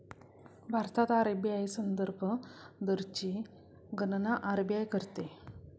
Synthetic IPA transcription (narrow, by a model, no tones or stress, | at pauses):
bʱaɾt̪at̪aɾəbjajsənd̪əɾbʱəd̪əɾt͡ɕi | ɡənnaʔaɾbjajkəɾt̪e